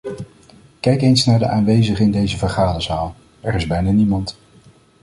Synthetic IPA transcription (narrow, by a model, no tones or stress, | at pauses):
kɛjkejnsnaːɹdəʔaːnʋejzəχəɪndejzəvəɹχaːdəzaːlˠ | ɛrɪzbɛjnaːnimɑnt